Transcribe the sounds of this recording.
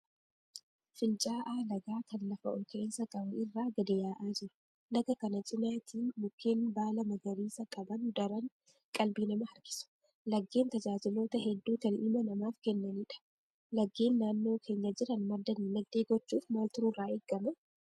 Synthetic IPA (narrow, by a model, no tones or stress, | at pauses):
fɪnt͡ʃʼaːʔaːlɐɡaːkɐnlɐfɐʔɔlkensɐkʼɐbɐʔɪrːaːɡɐd̪ɪjaːʔaːd͡ʒɪɾʊ̥ | nɐɡɐkɐnɐt͡ʃʼɪnaːt̪ʰiːnmʊkʰːeːnbaːlɐmɐɡɐɾiːsɐkʼɐbɐnd̪ɐɾɐŋ | kʼɐlbiːnɐmɐhɐɾɡɪ̥sʊ̥ | lɐɡːe̞ːnt̪ɐd͡ʒaːd͡ʒɪlo̞ːt̪ɐhɛd̪ːuːt̪ɐnʔɪmɐnɐmaːfkɛnːɐniːᶑɐ̥ | lɐɡːeːnːaːnːo̞ːkʰe̞ːɲːɐd͡ʒɪɾɐnmɐɾd̪ɐnlɐɡ̪eːɡɔt͡ʃːuːfmaːlt̪ʊɾuːraːeːɡːɐmɛ